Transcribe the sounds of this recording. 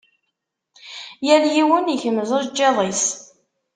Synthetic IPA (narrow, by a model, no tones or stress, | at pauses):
jæljiwəniçəmzəʒd͡ʒːeðˤis